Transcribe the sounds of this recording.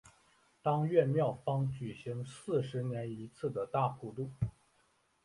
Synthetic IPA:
t̪ɑ˥ŋɥɛ˥˧mjɑ˥˩ʊfɑ˥ŋt͡ɕy˨˩ɕi˧˥ŋsɹ̩˥˩ʂɻ̩˧˥njɛ˧˥ni˧˥t͡sʰɹ̩˥˩d̪ə˩t̪a˥˧xu˥˧t̪u˥˩

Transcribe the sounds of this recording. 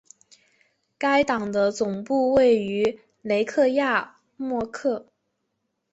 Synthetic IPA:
ka˥ɪt̪ɑ˨˩ŋd̪ə˦t͡sʊ˨˩ŋpu˥˧we˥˩ɪy˧˥ | le˧˥ɪkʰɤ˥˧ja˥˩ | mwɔ˥˧kʰɤ˥˩

